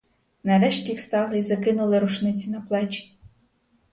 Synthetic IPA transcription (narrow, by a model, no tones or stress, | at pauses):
nɐɾɛʃtʲiwst̪ɑlˠɪizɐkɪnʊlˠɪɾʊʃnɪt͡sʲinɐplˠɛt͡ʃʲi̥